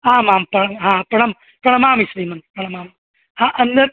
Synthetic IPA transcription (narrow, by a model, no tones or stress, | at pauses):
aːmaːmpɐɳɐmɦaːpɐɳɐm | pɐɳɐmaːmisliːmɐnpɐɳɐmaːm | aːʔɐnd̪ɐ